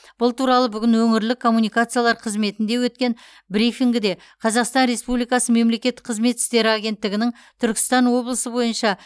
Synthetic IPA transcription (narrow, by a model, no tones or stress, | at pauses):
b̥ʊlˠt̪ʰuɾɑlˠəbʏɡʲɪnwɵŋɪɾlɪkʰo̞mːunijkat̪sɨjalˠɑɾqʰəzme̞t̪ɪnd̪e̞wɵt̪̚kʲe̞n | bɾifiŋɡʲɪd̪e̞ | qʰɑzɑqst̪ɑnɾe̞spublijkɑsəme̞mle̞kʲe̞t̪ːɪ̥qʰəzme̞t̪sɪ̥t̪e̞ɾɪaɡʲe̞nt̪ːɪɡʲɪnɪŋ | t̪ʰʏɾkʲɪ̥st̪ɑnwo̞blˠəsəbo̞jənʃɑ